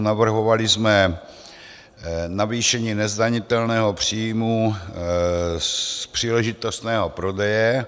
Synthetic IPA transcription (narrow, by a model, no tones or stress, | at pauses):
navr̩ɦo̞valɪzmɛ | naviːʃɛɲiːnɛzdaɲɪt̪ɛlnɛːɦo̞pr̝̥iːjmu | pr̝̥iːlɛʒɪt̪ost̪nɛːɦo̞pɾo̞dɛjɛ